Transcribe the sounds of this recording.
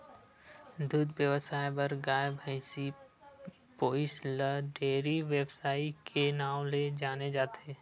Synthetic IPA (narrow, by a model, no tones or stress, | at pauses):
d̪uːd̪ʋjəʋəsaːjbəɾɡaːbʱəɪsi | poːɪsləɖeːɾiʋebsaːikʰenaːw̃led͡ʒaːned͡ʒaːt̪eː